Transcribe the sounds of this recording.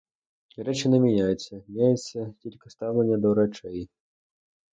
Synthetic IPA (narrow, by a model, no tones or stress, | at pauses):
ɾɛt͡ʂɨnɐmʲinʲajɛt̪sːɐmʲnʲajɛt̪sːɐkʲilʲkɐst̪awlʲˠɐnʲːɐd̪ɐwɾat͡ʂɛj